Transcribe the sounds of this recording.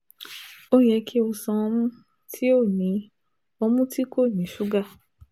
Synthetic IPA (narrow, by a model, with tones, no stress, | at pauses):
o˦jɛ˧˦kʰi˦o˧sã˧mũ˦ | tʰi˦o˦˨nĩ˨˦ | ɔ˧mũ˦tʰi˦kʰo˦˨nĩ˨˦ʃu˦ɡa˦˨